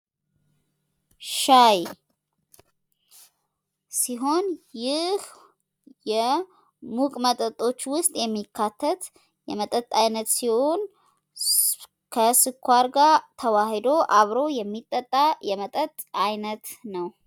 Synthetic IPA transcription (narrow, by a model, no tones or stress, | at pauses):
ʃaj | siɦo̞njɪh | jɛ | mukʼmət̪ʼət̪ʼo̞t͡ʃːwʊst̪ʼjɛmːikʰːat̪ʰːət̪ | jɛmət̪ʼət̪ʼajnət̪siho̞n | kʰəsɨkʰʷːaɾɡat̪ʰəwahd̪o̞ʔaβɾo̞jɛmːit̪ʼːət̪ʼːajɛmət̪ʼət̪ʼajnət̪nəw